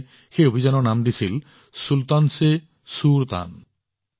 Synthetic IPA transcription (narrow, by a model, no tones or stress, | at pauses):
xeobʱid͡ʒanɔnamd̪isil | sult̪anse | suɾt̪a̰n